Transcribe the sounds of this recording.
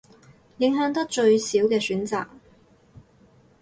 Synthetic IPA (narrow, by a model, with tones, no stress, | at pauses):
jɪ˨˥ŋɦœː˨˥ŋt̪ɐ˥k̚t͡ʃɵ˧ɥsiː˨˥wkɛː˧syː˨˥nt͡sa̰ː˨˩k̚